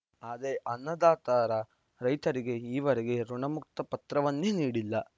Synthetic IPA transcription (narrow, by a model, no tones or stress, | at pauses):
aːd̪ɾeʔɐnːɐd̪aːt̪aːɾɐ | ɾɐjt̪ɐɾiɡe̞iːʋɐɾeɛɡe̞ɾuɳɐmuk̚t̪ɐpɐt̪ɾɐʋɐnːeniːɽilːɐ